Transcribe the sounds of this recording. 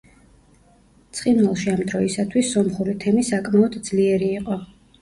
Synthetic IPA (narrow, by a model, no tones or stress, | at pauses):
t̪sʰʼχʼinwɛlˠʃiamd̪ɾɔisat̪ʰwisːɔmχuɾit̪ʰɛmisakʼmaɔd̪d̪zliɛɾiːqʼɔ